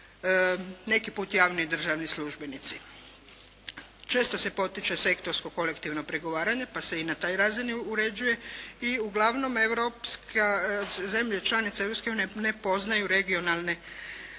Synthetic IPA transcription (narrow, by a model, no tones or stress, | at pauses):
ne̞kipuːt̪jaːʋnid̪r̩ʒaʋnisluʒbe̞nit̪si | t͡ʃe̞ːst̪o̞se̞po̞t̪it͡ʃese̞kt̪o̞ɾsko̞ko̞lekt̪iʋno̞pɾeɡo̞ʋaːɾaɲe̞pase̞inat̪aːjɾazinuɾe̞d͡ʒuje̞iuɡlˠaʋno̞me̞ʋɾopskʰaze̞mʎet͡ʃlˠanit̪seewɾopskeuːniene̞po̞znajuɾe̞ɡio̞nalˠne̞